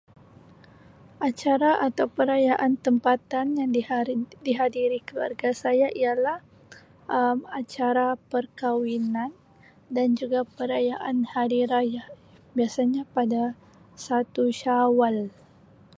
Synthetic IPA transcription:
ʔat͡ʃaɾaʔat̪awpəɾajaʔant̪əmpat̪anjaŋdidiɦadiɾikəlua̰rɡasajaʔialah | ʔəmat͡ʃaɾapərkawinan | dand͡ʒuɡapəɾajaʔanhadiɾajah | biasaɲapada | sat̪uʃawal

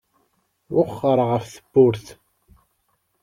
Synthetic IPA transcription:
wʊχːəɾˤʁəfθəb̥ːʊɾθ

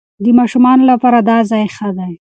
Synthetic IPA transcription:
d̪əmɑʃumɑnolapɑɾad̪ɑzɑjxəd̪aj

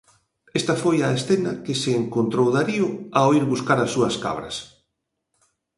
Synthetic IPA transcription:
est̪ɐfojɐesθenɐkɪseːŋkont̪ɾowðaɾiʊaoiɾβuskaɾɐsːuɐska̰β̞ɾɐ̰s

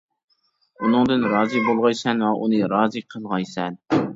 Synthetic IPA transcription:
unɨŋd̪ɨnɾɑːzɨbolˠʁɑjsɛnwɛʔunɨɾɑːzɨqʰəlˠʁɑjsɛn

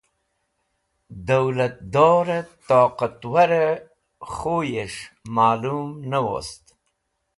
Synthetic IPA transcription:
d̪awlat̪̚d̪oːɾat̪ɑqat̪waɾa | χojeʂmɑːlumnawo̰st̪

